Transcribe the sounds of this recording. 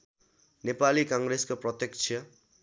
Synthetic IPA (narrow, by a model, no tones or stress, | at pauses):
nepalikʌŋɡreskoprʌt̪jekt͡ʃʰjʌ